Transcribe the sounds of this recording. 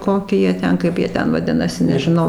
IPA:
ˈkoːkʲɪ ˈjiɛ ˈtʲɛn ˈkɐɪp jiɛ ˈtʲɛn ʋɐˈdʲɪnɐsʲɪ nʲɛʒʲɪˈnɐʊ

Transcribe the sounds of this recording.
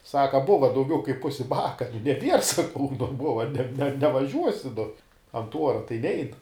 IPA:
ˈsɑːkɐ ˈbʊʋɐ dɐʊˈɡʲɛʊ kɐɪp ˈpʊsʲɪ ˈbɑːkɐ ɪr nʲɛˈbʲiɛr sɐˈkɐʊ nʊ ˈbʊʋɐ nʲɛ nʲɛʋɐˈʒʲuɔsʲɪ nʊ ɐnt ˈuɔrɐ tɐɪ ˈnʲɛɪn

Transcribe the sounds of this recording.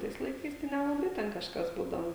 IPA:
ˈtɐɪs lˠɐɪˈkɐɪs tɐɪ nʲɛlˠɐˈbɐɪ tʲɛn kɐʃˈkɐs ˈbuːdɐʋoː

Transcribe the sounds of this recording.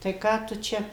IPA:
tɐɪ ˈkɑː tʊ ˈt͡ʃʲɛ

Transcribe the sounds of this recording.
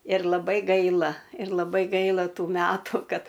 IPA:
ɪr lˠɐˈbɐɪ ˈɡɐɪlˠɐ ɪr lˠɐˈbɐɪ ˈɡɐɪlˠɐ ˈtuː ˈmʲætʊ ˈkɐt

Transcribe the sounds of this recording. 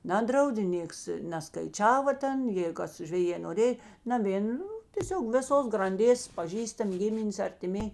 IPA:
ˈnɑːdrɐʊdʲeː ˈnʲeːks nʲɛˈskɐɪt͡ʃʲɛʋɐ ˈtʲɛn jeːɪ ˈkɐs ʒʲʋʲɛˈjeː noːˈrʲeːj nɐˈʋʲeːn ˈnʊ tʲeːˈsʲoːk ʋʲeːˈsoːs ɡrɐnʲˈdʲeːs pɐˈʒʲiːstɐmʲ ˈɡʲɪmʲɪnʲeːs ɐrʲtʲɪˈmʲeːj

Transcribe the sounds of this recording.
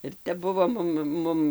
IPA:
ɪr ˈtʲɛp ˈbʊʋoː ˈmʊm ˈmʊm

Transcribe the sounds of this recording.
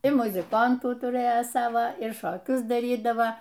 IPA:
ɪr mʊzʲɪˈkɐntuː tʊˈrɘjɛ ˈsɑːʋɐ ɪr ʃoːˈkʲʊs dɐˈrʲiːdɐʋɐ

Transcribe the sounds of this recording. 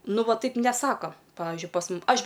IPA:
ˈnʊ ˈʋɐ ˈtɐɪp nʲɛˈsɑːkoː ˈpɑːʋʲɪʒʲʊɪ pɐs ˈmʊm ˈɐʃ

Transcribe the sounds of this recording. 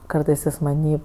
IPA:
ˈkɐrtɜs ˈjɪs mɐˈnʲiː

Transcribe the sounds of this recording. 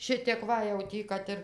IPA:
ˈʃʲɪtʲeːk ˈʋɐ jɛʊ ˈtʲiː ˈkɐt ɪr

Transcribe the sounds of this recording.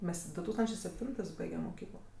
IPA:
ˈmʲɛs dʊ ˈtuːkstɐnʲt͡ʃʲeː sʲɛpʲˈtʲɪntɜs ˈbɐɪɡʲɛm moːˈkʲiːklˠoː

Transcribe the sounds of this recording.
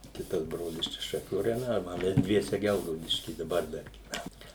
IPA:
ˈkʲɪtɐs ˈbroːlʲɪs ˈt͡ʃʲɛ ʃɐˈkʲuː rɐjoːˈnʲɛ oː ˈmʲɛs ˈdʲʋʲiɛsʲɛ ˈɡʲɛlˠɡɐʊdʲɪʃʲkʲiː dɐˈbɐr ˈdɐr ɡʲiːˈʋʲænɐm

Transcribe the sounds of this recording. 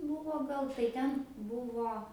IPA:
ˈbuːʋoː ˈɡɐlˠ tɐɪ ˈtʲɛn ˈbʊʋoː

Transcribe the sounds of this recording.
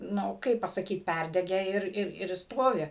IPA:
ˈnʊ ˈkɐɪp pɐsɐˈkʲiːt ˈpʲærʲdʲɛɡʲɛ ɪr ɪr ɪr ˈstoːʋʲɪ

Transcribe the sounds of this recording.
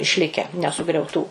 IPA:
ɪʃʲˈlʲɪkʲɛ nʲɛsʊɡrʲɛʊˈtuː

